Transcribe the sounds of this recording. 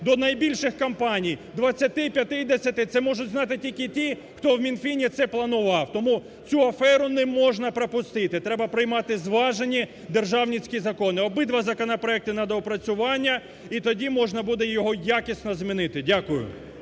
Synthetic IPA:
d̪ɔnɐjbʲilʲʃɪxkɐmpɑnʲijd̪ʋɐt͡sʲːɐt̪ɪpʲjɐt̪ɪjd̪esʲɐt̪ɪt̪sɛmɔʒʊtʲznɑt̪ɪtʲilʲkɪtʲi | xt̪ɔwmʲinfʲinʲit̪sɛplˠɐnʊʋɑwt̪ɔmu | t͡sʲuɐfɛɾʊnɛmɔʒnɐpɾɐpʊst̪ɪt̪ɪt̪ɾɛbɐpɾɪjmɑt̪ɪzʋɑʒenʲi | d̪erʒɑwnʲit͡sʲkʲizɐkɔnɪɔbɪd̪ʋɐzɐkɔnɐpɾɔɛk̚t̪ɪnɐd̪ɔɔpɾɐt͡sʲʊʋɑnʲːɐ | it̪ɔdʲimɔʒnɐbud̪ɛjɔɦɔjakʲisʲnɔzmʲinɪt̪ɪdʲakʊjʊ̰

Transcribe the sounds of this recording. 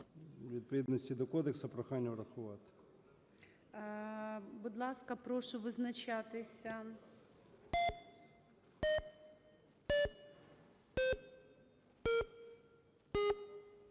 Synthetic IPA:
ʋʲid̪̚pɔʋʲid̪nɔsʲtʲid̪ɔkɔd̪eksɐpɾɔxanʲːɐɾɐxʊʋɑt̪ | bʊd̪lˠɑskɐpɾɔʃʊʋɪznɐt͡ʃat̪ɪsʲɐ

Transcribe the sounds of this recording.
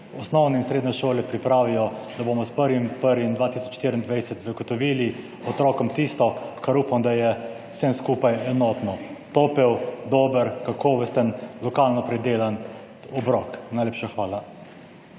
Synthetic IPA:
ɔsnɔwnɛinsɾeːd̪nɛʃoːlɛpɾipɾaːʋijɔd̪aboːmɔspəɾʋimpəɾʋimd̪ʋaːt̪isɔ̥t͡ʃʃt̪iːɾind̪ʋajsɛt̪zaɡɔt̪ɔʋiːli | ɔt̪ɾɔːkɔmt̪ist̪ɔkaɾuːpamd̪ajɛ̥ | semskuːpajɛnɔt̪nɔt̪opɛwd̪ɔːbəɾkakʰoːʋɛst̪ənlɔkalnɔpɾɛd̪eːlan | ɔbɾɔknajleːpʃaxʋaːla

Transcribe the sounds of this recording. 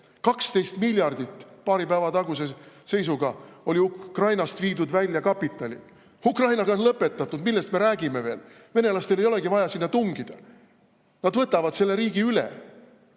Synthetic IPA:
kɑkst̪e̞jst̪milʲjɑrd̪̥it̪ːˑpɑːɾipæːvɑt̪ɑɡ̥us̬e̞se̞js̬uɡ̥ɑo̞lʲiukrɑjnɑst̪viːd̪ud̪vælʲjɑkɑpːit̪ːˑɑlʲḭ | ukrɑjnɑɡ̥ɑlɤpːˑe̞t̪ˑːɑt̪ːˑud̪milːe̞st̪me̞ɾæːɡ̥ime̞ve̞ːl | ve̞ne̞lɑst̪elejo̞le̞ɡivɑjɑsinːɑt̪uŋɡid̪̥ɑ | nɑd̪vɤt̪ːˑɑvɑd̪̥se̞lːe̞ɾiːɡ̥iylḛ

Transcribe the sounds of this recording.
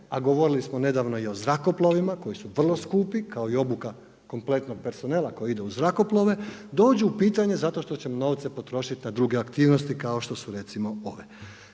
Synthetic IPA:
aɡo̞ʋo̞ɾilismone̞d̪aʋno̞io̞zɾako̞plˠoʋimako̞jisuʋr̩lˠo̞skuːpikao̞io̞buka | ko̞mple̞t̪no̞ɡ̚pe̞ɾso̞neːlˠako̞jeid̪euzɾako̞plˠoʋe̞d̪o̞ːd͡ʑuːpiːt̪aɲe̞zat̪oʃt̪o̞t͡ɕemno̞ʋt̪sepo̞t̪ɾo̞ːʃit̪ʲinad̪ɾuɡeakt̪iːʋno̞st̪ikao̞ʃt̪o̞suɾe̞t̪simo̞o̞ʋe

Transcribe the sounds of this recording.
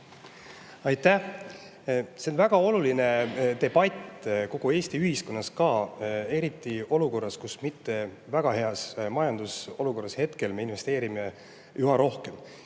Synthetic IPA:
ɑjt̪ːæh | se̞nvæɡ̥ɑo̞luline̞t̪e̞b̥ɑt̪ʲːko̞ɡ̥ue̞ːst̪iyhisko̞nːɑskɑːe̞ɾit̪ːˑio̞luko̞rːɑskusmit̪ːe̞væɡ̥ɑɦe̞ɑsmɑjɑnd̪̥uso̞luko̞rːɑshe̞t̪ke̞lme̞inve̞st̪e̞ːɾime̞ | jʔuɦɑɾo̞hke̞m

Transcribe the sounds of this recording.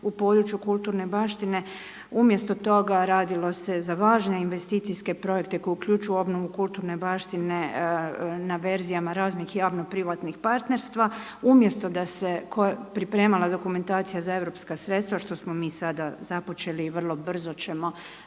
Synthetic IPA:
upo̞d̪ɾut͡ʃjukulˠt̪uːɾne̞baːʃt̪ine̞ | umje̞st̪o̞t̪o̞ɡaɾaːd̪ilˠo̞se̞zaʋaːʒne̞inʋe̞st̪iːt̪sijske̞pɾo̞je̞kt̪e̞ko̞jukʎʲuːt͡ʃujuo̞bno̞ʋukulˠt̪uːɾne̞baːʃt̪ine̞ | naʋe̞ɾzijamaɾaːznixjaːʋno̞pɾiʋat̪nixpaɾt̪ne̞ɾst̪ʋa | umje̞st̪o̞d̪ase̞kʰojepɾipɾe̞ːmalˠad̪o̞kume̞nt̪aːt̪sijazae̞ʋɾo̞pskasɾe̞t̪st̪ʋaʃt̪o̞smo̞miːsad̪azapo̞t͡ʃe̞liːʋr̩lˠo̞br̩zo̞t͡ʃe̞mo̞

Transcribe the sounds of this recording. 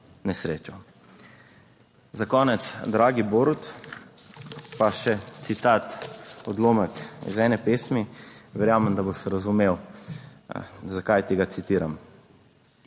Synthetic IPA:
nɛsɾḛːt͡ʃɔ | zakɔːnɛt̪sd̪ɾaːɡiboːɾut̪ | paʃɛt̪sit̪aːt̪ɔd̪loːməkḭzɛnɛpeːsmiʋɛɾjaːmɛnd̪aboʃɾazumew | zakajt̪iɡat̪sit̪iːɾam

